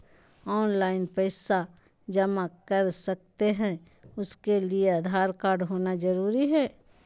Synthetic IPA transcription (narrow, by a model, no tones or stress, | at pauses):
ɔːnlaːɪnpɛɪsa | d͡ʒɐmakəɾsɐk̚t̪eɦɛ̃ | ʊskeliead̪ʱaːɾkaːɾɖɦoːnad͡ʒəɾuːɾiɦɛː